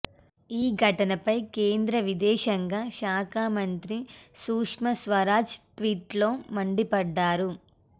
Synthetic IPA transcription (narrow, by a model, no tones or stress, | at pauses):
iːɡʱɐʈɐnɐpɐjkeːnd̪ɾɐʋid̪ɛːʃɐŋɡaːʃaːkaːmɐnt̪ɾisuːkʂmɐsʋɐɾaːt͡ʃʈʋiːʈlo̞ːmɐɳɖipɐɖːaːɾu